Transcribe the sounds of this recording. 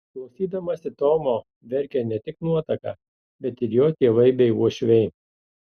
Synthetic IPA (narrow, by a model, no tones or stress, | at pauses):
klˠɐʊsʲiːd̪ʲɐmɐsʲɪt̪oːmoː | ʋʲɛɾʲkʲɛnʲɛt̪ʲɪknuɔt̪ɐkɐ̰ | bʲɛt̪ɪɾjoːt̪ʲiːʋɐɪbʲɛɪuɔʃʲʋʲɛɪ